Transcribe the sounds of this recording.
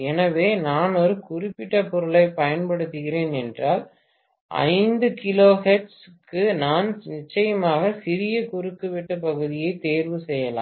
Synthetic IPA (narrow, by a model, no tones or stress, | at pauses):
ɛnɐʋeːnaːnɔɾɯkʊrɪpːɪʈːɐpɔɾɯɭɐɪpɐjɐnpɐɽɯt̪ːɯɣɪɾeːnɛndraːl | ʔɐ̰ɪnd̪ɯkɪloːɦɛʈskːɯnaːnnɪt͡ʃːɐjɐmaːɣɐsɪɾɪjɐkʊɾɯkːɯʋɪʈːɯpɐɣɯðɪjɐɪt̪eːɾʋɯsɛjːɐla̰ː